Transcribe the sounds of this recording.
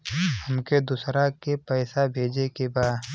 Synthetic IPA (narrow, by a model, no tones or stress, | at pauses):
həmked̪ʊsɾakepɛːsabʱeːd͡ʒekebaːd̪